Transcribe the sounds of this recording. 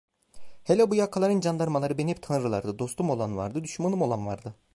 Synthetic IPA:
helʲɛbujakʰalˠaɾɯnd͡ʒand̪aɾmalˠaɾɯbeniɛpt̪ʰanɯɾɯlˠaɾd̪ɯd̪o̞st̪umo̞lˠanva̰ɾd̪ɯd̪yʃmanˠɯmo̞lˠanvaɾd̪ɯ

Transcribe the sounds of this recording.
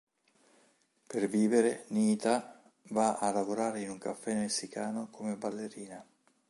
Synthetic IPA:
perviːveɾeniːt̪a | vaalavoɾaːɾeinuŋkafːɛmesːikaːnokʰomebalːeɾiːna

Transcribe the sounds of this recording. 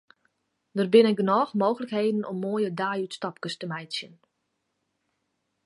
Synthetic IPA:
dərbɪnɛɡənɔːxmoːɣələkheːdən̩ɔmːoəjədaːjytstɑp̚kəstəmɛjtsjən

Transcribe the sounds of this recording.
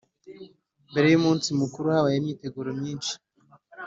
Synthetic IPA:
mbe̞ɾe̞jumuːnsimukuɾuhaβajemɲiːte̞ɡuɾomɲiːnʃi̥

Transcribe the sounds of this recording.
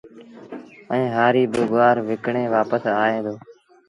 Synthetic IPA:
ə̃ẽːɦaːɾiːbɪɡʊaːɾʋɪkɳeːʋaːpəsaːɦẽːd̪oː

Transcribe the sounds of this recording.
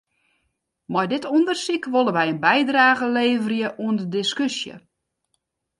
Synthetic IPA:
mɔjdɪtʰundərsikʋolˠəʋɛjənbɛjdraːɣəleːvərjəʔuəndədɪskysjə̰

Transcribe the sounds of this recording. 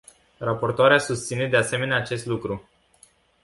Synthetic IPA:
rapo̞rt̪oaɾeasust̪sine̞d̪e̞ase̞me̞neaːt͡ʃe̞st̪lukɾu

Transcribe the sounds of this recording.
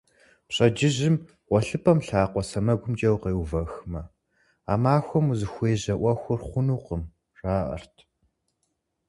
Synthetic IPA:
pɕʼɐd͡ʒɪʑɪm | ʁʷɔɬɨpʰɐmɬaːqʷɔsɐmɐɡʷʊmd͡ʒɐwqeːwvɐxmɐ | a̰ːmaːxʷɔmuzɨxʷeːʑɐʔʷɐxʷʊrχʷʊnuːqəm | raːʔɐ̰rtʰ

